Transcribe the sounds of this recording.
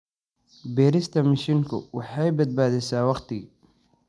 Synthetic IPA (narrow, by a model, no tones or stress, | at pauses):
bɛːɾɪst̪ʰɐmɐʃɪŋkʰʊ̰wɑħɑjbɐd̪̚baːðɛsaːwɑqt̪ʰɪɣɪ